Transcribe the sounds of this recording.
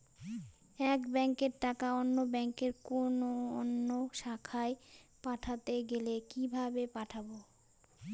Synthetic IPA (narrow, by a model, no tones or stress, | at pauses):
ɛkbɛŋkeɾʈakaonːobɛŋkeɾkonoo̰nːoʃakʰaepaʈʰat̪eɡelekibʱabepaʈʰabo